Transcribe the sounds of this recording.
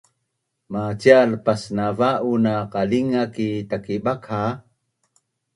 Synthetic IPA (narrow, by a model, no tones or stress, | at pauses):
mat͡ɕialpasnavaʔunaqaliŋakitakibaka